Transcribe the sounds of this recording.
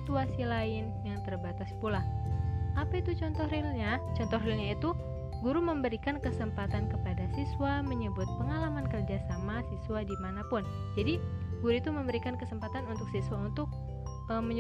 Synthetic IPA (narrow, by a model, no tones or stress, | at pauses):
t̪uasilaɪnjaŋt̪ərbat̪aspulahʔapait̪ut͡ʃɔnt̪ɔhrilɲat͡ʃɔnt̪ɔɦrilɲait̪u | ɡuɾuməmbəɾikankəsəmpat̪ankəpadasiswaməɲəbʊt̪̚pəŋalamankərd͡ʒasamasisuadimanapʊn | d͡ʒadiɡuɾuit̪uməmbəɾikankəsəmpat̪anunt̪ʊk̚siswaunt̪ʊk̚ | əməɲ